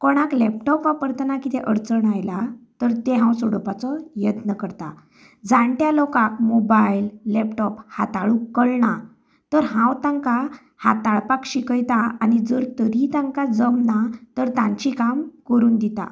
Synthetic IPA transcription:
kɔɽ̃aklɛp̚ʈɔpʋapəɾt̪nakit̪ɛʔəɾt͡səɳajlat̪əɾt̪eɦãwsɔɽəpat͡sɔjət̪nəkəɾt̪a̰ | d͡zãɳʈjalɔkãk̚mɔbajlːɛpʈɔphat̪aɭukːəɭɳa | t̪əɾɦãwt̪ãŋka | ha̰t̪aɭpakɕikəjt̪aanid͡zəɾt̪əɾit̪ãŋkad͡zəmnat̪əɾt̪ãɲt͡ɕikamkəɾuːnd̪it̪a̰

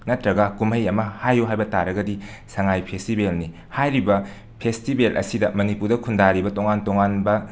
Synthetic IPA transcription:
nɐtɾɐɡɐkumɐjɐmɐhajuɦajbɐtaɾɐɡɐdisɐŋajpʰestibelni | hajɾibɐ | pʰestibelʔɐ̰sidɐmɐnipuɾdɐkʰundaɾibɐtoŋantoŋanbɐ

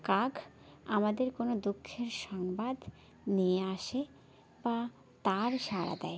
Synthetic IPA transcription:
kaɡ | amad̪eɾkonod̪ukʰːeɾʃɔŋbad̪ | nijeaʃe | ba | t̪aɾʃaɾa̰d̪ɛ̰e

